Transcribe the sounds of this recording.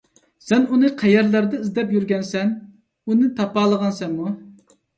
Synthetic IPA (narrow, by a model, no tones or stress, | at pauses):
sɛnunɨqʰæjɛɾlæɾd̪ɛizd̪ɛpjyɾɡʲɛnsɛn | unɨt̪ʰɑpɑːlˠəʁɑnsɛmmu